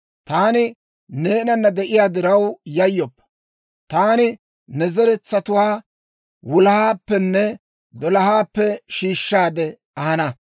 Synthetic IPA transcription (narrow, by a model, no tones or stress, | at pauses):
t̪aːnɪ | ne̞ːnɐnːɐd̪ɛʔɪjaːd̪ɪɾɐwjɐjːɔpː | t̪aːnɪ | nɛzɛɾɛt͡sːɐt̪ʊhaː | wʊlɐhaːpːɛnːɛ | d̪ɔlɐhaːpːɛʃiːʃːaːd̪ɛ | ɐhɐnɐ